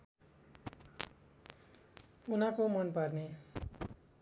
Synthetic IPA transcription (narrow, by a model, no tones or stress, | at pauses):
unakomʌnpʌrne